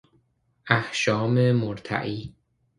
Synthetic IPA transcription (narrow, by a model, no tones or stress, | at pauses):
ʔæhʃɒːmemoɾt̪ʰæ̰ʔiː